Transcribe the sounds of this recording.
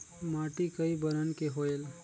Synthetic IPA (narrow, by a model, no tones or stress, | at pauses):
maʈikəibəɾənkeɦoel